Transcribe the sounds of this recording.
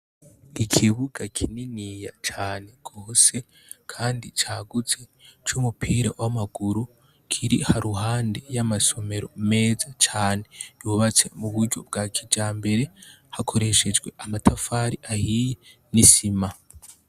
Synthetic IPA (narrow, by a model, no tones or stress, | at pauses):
ikʰiβuɡakʰininijat͡ʃaːne̞ɡ̥oːse̞ | kʰaːndit͡ʃaːɡut͡se̞t͡ʃumupʰiɾawamaɡ̥uɾu | kʰiɾihaɾuɦaːndejamaso̞me̞ɾo̞̰me̞ːzat͡ʃaːne̞juβat͡se̞̰muβuɾɟo̞̰b̚ɡaːkʰid͡ʒaːmbe̞ɾe̞ | hakʰo̞ɾe̞ʃe̞d͡ʒɡwe̞ʔamatʰafaːɾiʔahije | nisima